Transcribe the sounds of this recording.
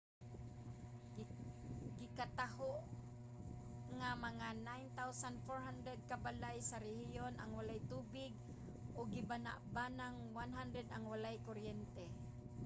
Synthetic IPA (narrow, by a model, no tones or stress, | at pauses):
ɡɪkat̪ahoʔ | ŋamaŋanajnt̪awsanfoɹhand̪ɾɛd̪̚kabalajsaɾɛhɪjonaŋwalajt̪uːbɪɡ | ʔoɡɪbana̰ʔbanaŋwanɦand̪ɾɛd̪aŋwalajkoɾjɛnt̪ɛ